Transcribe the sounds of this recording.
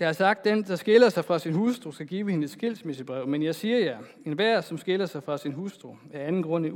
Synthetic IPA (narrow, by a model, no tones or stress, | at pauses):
d̥ɑ̈ɑsɑ̈ɡ̥̚d̥end̥ɑ̈sɡ̥e̝lɐsɑ̈ɪfʁɑ̈sinhusd̥ʁosɡ̥æɡ̥iːʊəhe̝nəe̥sɡ̥e̝l̰smesəb̥ʁɛʊ̰menjɑ̈ɪsiːɐjɑ | enʋæɐ̰sɒ̽msɡ̥e̝lɐsɑ̈ɪfʁɑ̈sinɦusd̥ʁoæɐænn̩ɡ̥ʁɔ̽n̰ə